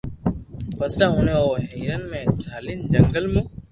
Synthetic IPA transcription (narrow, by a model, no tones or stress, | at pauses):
pəsɛ̃ːɦʊneoːɦiːɾənmẽːt͡ʃʰaːlɪnd͡ʑəŋɡəlmũː